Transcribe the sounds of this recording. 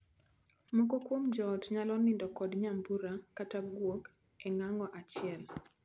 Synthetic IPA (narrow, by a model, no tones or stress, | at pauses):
mokokwomd͡ʒɔtɲalɔnɪndɔkɔdɲambuɾakataɡwok | ɛŋaŋɔʔat͡ʃɪɛl